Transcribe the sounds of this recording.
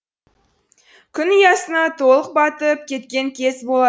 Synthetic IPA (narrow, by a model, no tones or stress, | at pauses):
kʲʰʏnəjɑsənɑt̪ʰo̞lˠəq̚bɑt̪əp̚kʲʰe̞t̪kʲe̞ŋkʲʰe̞sbolˠɑ